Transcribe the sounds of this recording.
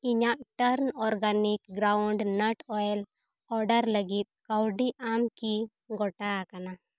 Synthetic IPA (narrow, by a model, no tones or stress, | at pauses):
iɲaʔʈəɾnɔɾɡanikɡɾawɳɖnəʈɔjl | ɔɾɖəɾləɡit̪̚ˀkawɖiʔamki | ɡɔʈakana